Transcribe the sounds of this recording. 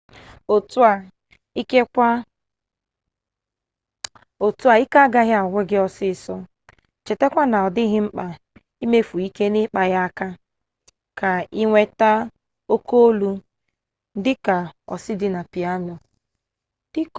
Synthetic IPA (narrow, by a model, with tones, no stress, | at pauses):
o˨ta˨ | i˦ke˦kʷa˦ | o˨tu˦a˨i˦ka˦a˦ɡa˦ɦɪ˦a˨ŋʷe˦ɡɪ˦ɔ˦sɪ˦˨sɔ˦ | t͡ʃe˨te˦kʷa˦na˨ɔ˨dɪ˦ɦɪ˦ŋ͡m̩˦k͡pa˨ | i˦me˦fu˨i˦ke˦nɪ˦k͡pa˨ɣa˦a˦ka˦ | ka˨i˦ŋʷe˦ta˦ | o˦ko˦o˦lu˦ | dɪ˦ka˨ɔ̰˨sɪ˦dɪ˦na˨pi˨a˦nɔ˨ | d̥ɪ˦k